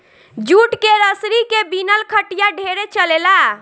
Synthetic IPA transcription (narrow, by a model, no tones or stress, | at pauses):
d͡ʒuʈkeɾəsɾikebinəlkʰəʈijaɖʱeɾet͡ʃəlela